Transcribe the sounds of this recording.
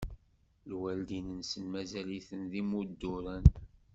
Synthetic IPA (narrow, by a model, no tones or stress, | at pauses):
lwæld̪inənsənmæzæliθənðimud̪ːʊɾən